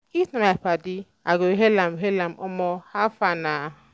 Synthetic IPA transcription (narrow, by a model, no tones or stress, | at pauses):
itnaapadi | aɡoɦelamɦelamɔmɔhafana